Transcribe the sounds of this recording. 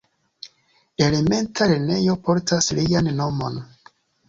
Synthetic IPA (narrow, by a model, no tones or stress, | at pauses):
e̞le̞me̞ntʰalene̞jo̞po̞ɾtʰaslianːo̞mo̞̰n